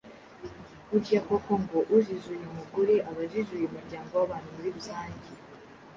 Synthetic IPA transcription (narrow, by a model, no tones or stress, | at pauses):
uɟakokoŋɡoʔuzizujeumuɡuɾiʔaβazizujeumuɾɟaːŋɡowaβaːn̥humuɾiβuzaːɲɟi